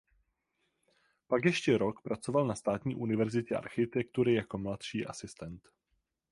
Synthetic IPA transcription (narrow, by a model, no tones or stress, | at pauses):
pakjɛʃcɛɾo̞kpɾat͡so̞valnast̪aːt̪ɲiːʔunɪvɛɾzɪcɛʔa̰ɾxɪt̪ɛk̚t̪uɾɪjako̞mlat̪ʃiːʔa̰sɪst̪ɛnt̪